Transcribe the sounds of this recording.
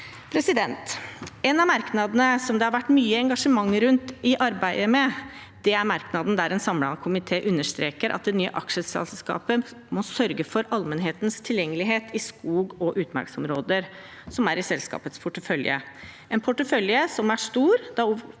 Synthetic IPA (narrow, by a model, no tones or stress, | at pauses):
pʰɾɛsɪd̪ɛnt̪ɛnɑmɑɾknɑd̪ənəsɔmd̪ɛhɑɾʋæʈːmyːəɛŋɡɑʂəmɑŋːɾʉnt̪ɪʔɑɾbæɪəmɛ | d̪̥ɛæɾmɑɾknɑd̪n̩d̪æɾɛnsɑmlɑkʰʊmɪt̪ʰeːʔʉnːəʂt̪ɾeːkəɾʔɑ̰t̪̚d̪ɛnyːə̰ʔɑkʂəsɛ̰lskɑ̰ːpə | mɔsœɾɡəfɔɾɑlmənɦeːt̪nst̪ʰɪljɛŋːəlɪɦeːt̪ʰɪskuːɡɔʔʉːt̪mæ̰ɾksɔmɾoːd̪əɾ | sɔmæɾɪsɛlskɑ̰ːpət̪spʰʊʈəfœljə̰ʔɛnpʰʊʈːəfœljəsɔmæʂt̪uːɾd̪̥ɑ